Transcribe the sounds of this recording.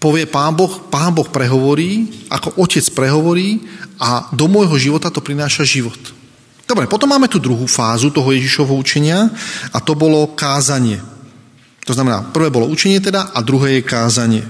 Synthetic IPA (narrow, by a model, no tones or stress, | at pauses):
pɔʋɪɛpaːnbɔxpaːnbɔxpɾɛɦɔʋɔɾiːʔa̰kɔʔɔcɛt͡spɾɛɦɔʋɔɾiːad̪ɔmɔjɦɔʒiʋɔt̪at̪ɔpɾinaːʃaʒiʋɔt̪ | d̪̥ɔbɾɛpɔt̪ɔmːaːmɛt̪uːd̪ɾuɦuːfaːzut̪ɔɦɔjɛʒiʃɔʋɛɦɔut͡ʃɛɲɪaat̪ɔbɔlɔkaːzaɲɪɛ | t̪ɔznamɛna̰ːpr̩ʋɛːbɔlɔut͡ʃɛɲɪɛt̪̬ɛd̪aʔad̪ɾuɦɛːjɛkaːzaɲɪɛ